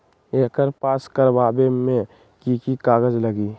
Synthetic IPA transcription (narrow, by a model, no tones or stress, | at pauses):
eːkəɾpaːskəɾbaːbemẽ | kiːkikaːɡəd͡ʒləɡiː